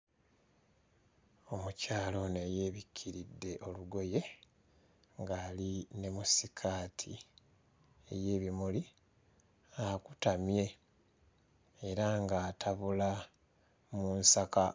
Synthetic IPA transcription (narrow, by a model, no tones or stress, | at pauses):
o̞mucaːlo̞ne̞je̞ːβikʰːiɾidːe̞ʔo̞luɡo̞je̞ | ŋɡaːline̞musikʰaːtʰi | ḛje̞ːβimuli | akutamje̞ | ɾaŋɡaːtʰaβula | muːnsaka